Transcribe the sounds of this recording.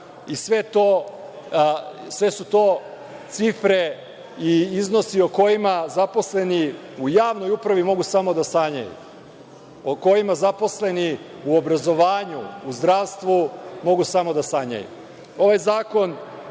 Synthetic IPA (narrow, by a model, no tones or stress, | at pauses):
isʋe̞t̪o | sʋe̞sut̪o̞ː | t̪sifɾe̞ | iizno̞sioko̞jimazapo̞sle̞ni | ujaːʋno̞jupɾaʋimo̞ɡusamo̞d̪asaɲa̰jṵ | oko̞jimazapo̞sle̞ni | uobɾazo̞ʋaːɲṵːzd̪ɾaːʋst̪ʋumo̞ɡusamo̞d̪asaɲa̰jṵ | o̞ʋajzaːko̞n